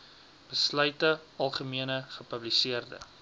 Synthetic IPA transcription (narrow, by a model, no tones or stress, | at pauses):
b̥əslœɥtəɐlˠχəmiənəχəpəblisiərdə̰